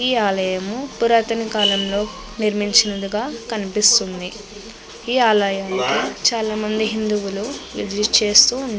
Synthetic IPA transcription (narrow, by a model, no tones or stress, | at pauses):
iːaːlɐjɐmupuɾaːt̪ɐnikaːlɐmlo̞ː | niɾmiɲt͡ʃinɐd̪uɡaːkɐnipist̪und̪i | iːaːlɐjaːnikit͡ʃaːlaːmɐnd̪iɦind̪uwuluʋḭd̪iɾit͡ʃe̞ːst̪uː